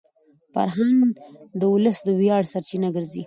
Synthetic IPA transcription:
fa̰ɾɦaŋɡd̪əwʊləsd̪əwjɑɽsaɾt͡ʃinaɡəɾzi

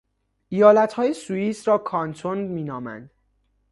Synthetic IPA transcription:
ʔijɒːlæt̪hɒːjesuiːsɾɒːkʰɒːnt̪ʰonmiːnɒːmæ̰nd̪̥

